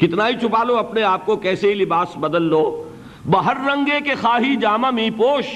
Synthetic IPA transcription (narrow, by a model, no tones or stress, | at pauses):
kɪt̪naːit͡ʃʰʊpaːloɐpneaːp̚kokɛːseɦilɪbaːsbɐd̪əlːoː | bɐɦəɾːɐ̃ŋɡekexaːɦid͡ʒaːmamĩːpoːʃ